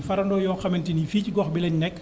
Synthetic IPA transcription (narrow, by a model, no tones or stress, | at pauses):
fɐɾɐndɔːjɔːxɐmɛntinifiːciɡɔxbilɛɲnɛkː